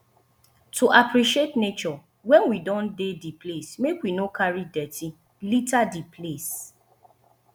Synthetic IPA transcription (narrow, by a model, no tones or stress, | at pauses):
tʰuʔapɾiʃietnet͡ʃɔ | wɛ̃nwidɔ̃ndediplesmekwinokʰaɹidɛtʰi | litadipʰles